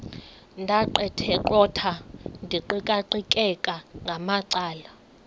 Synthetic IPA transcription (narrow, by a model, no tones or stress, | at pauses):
ndʱaǃɛtʰɛǃɔtʰandʱiǃikʼaǃikʼɛkʼaŋɡʱamaǀaːla